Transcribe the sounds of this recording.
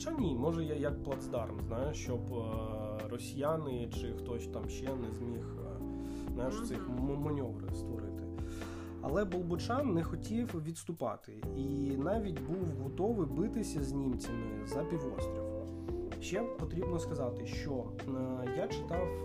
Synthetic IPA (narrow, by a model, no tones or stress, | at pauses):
t͡ʃanʲimɔʒɛjajɐk̚plˠɐd̪zd̪ɑrmznɑjʊt͡ʃɔb | rɔsʲijanɪt͡ʃɪxt̪ɔsʲt̪ɑmʃɛnɛzʲmʲix | znɑjʊʃt̪sɪxmɔmɔnʲɔʋɾɪ̰st̪ʋɔɾɪt̪ɪ | ɐ̰lˠɛbɔlˠbʊt͡ʃɑnːɛxɔtʲiwʋʲid̪st̪ʊpɑ̰t̪ɪinɑʋʲitʲbuwɦɔt̪ɔʋɪbɪt̪ɪsʲɐzʲnʲimt͡sʲɐmɪ | zɐpʲiʋɔ̰st̪ɾɔwɔ | ʃɛpɔt̪ɾʲibnɔskɐzɑt̪ɪʃt͡ʃɔ | jat͡ʃɪ̥t̪ɑw